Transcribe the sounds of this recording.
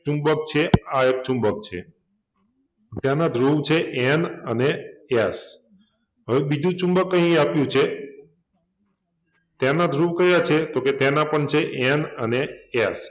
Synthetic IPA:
t͡ʃũmbəkt͡ʃʰeaek̚t͡ʃũmbəkt͡ʃʰḛ | t̪janad̪ʱɾuʋt͡ʃʰeʔenənees | ɦəʋebid͡ʒũt͡ʃũmbəkːəɦĩapjũt͡ʃʰe | t̪janad̪ʱɾuʋkəɾjat͡ʃʰet̪oket̪janapəɳt͡ʃʰeʔɛnənees

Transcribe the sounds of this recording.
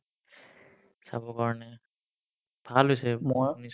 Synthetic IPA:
sa̰bɔkaɹɔnɛ | b̥ʱalɦojsɛmɔanis

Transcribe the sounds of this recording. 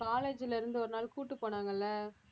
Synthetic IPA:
kaːleːd͡ʒɪlɪɾɯnd̪ɯɔɾɯnaːlkuːʈːɯpːoːɳaːŋɡɐɪlːɐ

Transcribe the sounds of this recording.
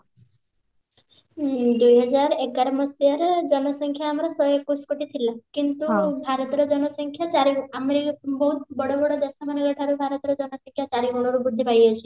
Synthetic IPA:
d̪ujɦəd͡ʒaɾekaɾmɔsijaɾd͡ʒɔnɔsəŋkʰjaːmɾasɔekːuskoʈit̪ʰilakint̪ubʱaɾɔt̪ɾɔd͡ʒɔnɔsəŋkʰjat͡ʃaɾiɡameɾibɔɦut̪bəɽobɔɽod̪esamaneɡəʈʰaɾubʱaɾɔt̪ɾɔd͡ʒɔnɔsəŋkʰjat͡ʃaɾiɡɔɽ̃ɔɾubud̪ʱːipajɦet͡ʃʰe

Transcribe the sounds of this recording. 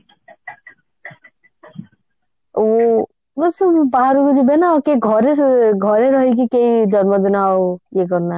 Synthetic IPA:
ɡɔsbaɦaɾukud͡ʒibenaokeɡʱɔɾeɾɡʱɔɾeɾɔɦik̬ikeid͡ʒɔnmɔd̪inawjeɡɔɾna

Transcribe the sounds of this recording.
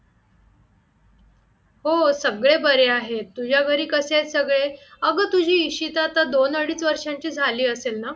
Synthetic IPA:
hosəɡɭebəɾeaɦet̪ːud͡ʑʱjaɡʱəɾiːkəset͡ssəɡɭeəɡət̪ud͡ʑʱiːɕit̪at̪ad̪onəɽiːt͡sʋəɾʂãɲt͡ɕiːd͡zʱaliːəselna

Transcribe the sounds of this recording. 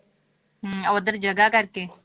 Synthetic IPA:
ɦɐʋəd̪əɾd͡ʒɐɡakɐɾke

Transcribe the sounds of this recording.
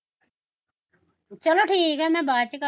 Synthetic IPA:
t͡ʃəloːʈʰiːkɦɛːmɛ̃ːbaːt͡ʃəka

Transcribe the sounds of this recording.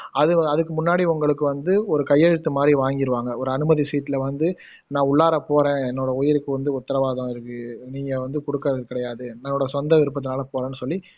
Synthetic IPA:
ɐðɯɐðɯkːɯmʊnːaːɽiʊŋɡɐɭɯkːɯʋɐnd̪ɯɔɾɯkɐjːɛɻɯt̪ːɯmaːd̪ɾiʋaːŋɡɪɾɯʋaːŋɡɐɔɾɯɐnɯmɐðisiːʈːɪlɐʋɐnd̪ɯ | nãːʊɭːaːɾɐpoːɾẽːɛnːoːɽɐʊjɪɾɯkːɯʋɐnd̪ɯʊt̪ːɐɾɐʋaːðɐ̃ːɪɾɯkːɯniːŋɡɐʋɐnd̪ɯkɔɽɯkːɐɾɐðɯkɪɽɐjaːðɯnɐnːoːɽɐsɔnd̪ɐʋɪɾɯpːɐðɯnaːlɐpoːɾẽːnːɯsɔlːi

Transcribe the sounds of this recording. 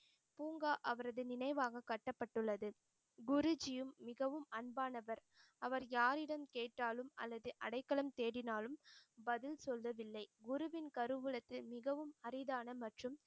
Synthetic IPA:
puːŋɡaːʔɐʋɐɾɐðɯnɪnɐɪʋaːɣɐkɐʈːɐpːɐʈːɯɭːɐðɯ | ɡʊɾʊd͡ʒɪjɯmːɪɣɐʋɯmɐɳbaːnɐʋɐɾ | ɐʋɐɾjaːɾɪɽɐmkeːʈːaːlɯmɐ̰lːɐðɯʔɐɽɐɪkːɐɭɐmt̪eːɽɪnaːlɯmbɐðɪlsɔlʋɐʋɪlːɐɪɡʊɾɯʋɪnkɐɾɯʋɯɭɐt̪ːɪlmɪɣɐʋɯmɐɾɪðaːnɐmɐʈrɯm

